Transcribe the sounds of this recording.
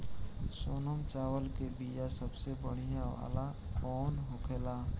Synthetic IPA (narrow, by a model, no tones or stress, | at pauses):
soːnəmt͡ʃaːwəlkebijasəbsebəɽ̤ijaʋa̰ːla | kɔːnɦoːkʰeːlaː